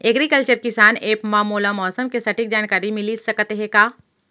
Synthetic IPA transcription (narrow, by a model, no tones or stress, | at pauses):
eɡɾikəlt͡ʃəɾkɪsaːneːpmaːmoːlamɔːsəmkesɐʈik̚d͡ʒaːnkaːɾimɪlisɐkət̪eɦɛkaː